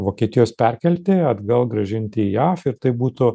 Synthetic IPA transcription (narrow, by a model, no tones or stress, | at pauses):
ʋoːkʲiɛt̪ʲɪjoːspʲɛrʲkʲɛlʲt̪ʲeɐd̪ɡɐlˠɡɾɐʒʲɪnʲt̪ʲɪjæːfɪɾt̪ɐɪbuːt̪ʊ